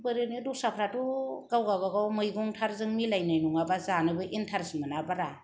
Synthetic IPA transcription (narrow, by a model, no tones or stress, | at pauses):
bɯɾɯnɯdusapʰɾatuɡawɡaβaɡawmɯjɡɔŋtʰaɾzɯŋmilajnajnuŋabazanɯbɯʔentʰaɾsmanabaɾa